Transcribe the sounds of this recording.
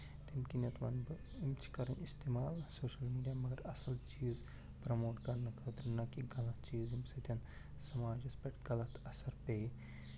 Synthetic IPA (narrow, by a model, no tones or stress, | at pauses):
t̪emkinɐt̪ʋɐ̰nbɐ | imt͡ʃʰi̥kɐɾɐnist̪emaːlsoːʃɐlmiːɖijamɐɡɐɾɐsɐlt͡ʃiːz | pɾɐmoːʈkɐɾnɐkɐd̪ɐɾnɐkiɡɐlɐt̪̚t͡ʃiːzimsɐt̪ʲjɐn | sɐmaːd͡ʒɐspeʈɡɐlɐt̪ɐsɐɾpe